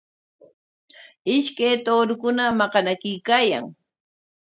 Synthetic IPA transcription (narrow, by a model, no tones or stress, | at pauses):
ɪʃkajt̪oːɾʊkʊnamɑqɑnakɪkaːja̰ŋ